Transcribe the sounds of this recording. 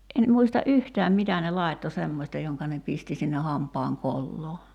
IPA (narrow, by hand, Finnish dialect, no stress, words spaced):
en muistɑ ʔyhtæːm mitæ ne lɑˑitːo semːosʲtɑ joŋkɑ ne pisti sinːe hɑmpˑɑːŋ kolːoː